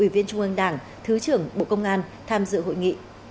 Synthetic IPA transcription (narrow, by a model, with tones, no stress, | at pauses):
ʔwi˧˩vi˧ənt͡ɕʊ˧ŋ͡mʔə˧ŋɗaː˧˩ŋ | t̪ʰɨ˨˦t͡ɕɨ˨˧˩əŋɓo̰˧˨kə˧wŋ͡mʔaː˧n | t̪ʰaː˧mzɨ̰˧˨ɦo̰˧˨jŋḭ˧˨